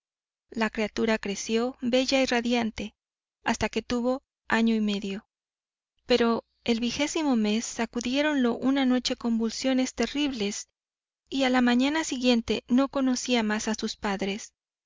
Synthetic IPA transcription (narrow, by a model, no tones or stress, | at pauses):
lakɾeat̪uɾakɾe̞sjo̞be̞ʝairaðjant̪e̞ | ast̪ake̞t̪uβo̞ | aɲo̞ime̞ðjo̞ | pe̞ɾo̞ | e̞lβixe̞simo̞me̞sːakuðje̞ɾo̞nlo̞ʔunano̞t͡ʃe̞ko̞mbulsjo̞ne̞st̪e̞riβle̞s | ialamãɲanasiɣje̞nt̪e̞no̞ko̞no̞siamasasuspaðɾe̞s